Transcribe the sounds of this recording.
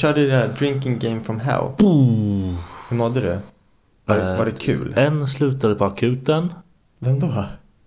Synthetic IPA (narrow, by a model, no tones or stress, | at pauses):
ʃœːɖəd̪ɪadɾɪŋkɪ̃ŋɡɛɪmfɾɔmɦɛ̰ʊu | hɵmɔd̪ːəd̪ɵ̰ | vaɛvaɖɛkʰʉ̟̰ːlɛnːslʉ̟ːt̪ad̪əpʰɔakʰʉ̟ːt̪ən | vɛmd̪oː